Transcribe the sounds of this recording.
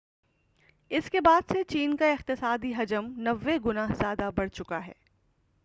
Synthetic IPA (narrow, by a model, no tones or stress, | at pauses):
ɪskebaːd̪set͡ʃiːnkaɪq̚t̪ɪsaːd̪iɦɐd͡ʒəmnɐʋːeɡʊnaːɦzjaːd̪abɐɽt͡ʃʊkaɦɛ̰ː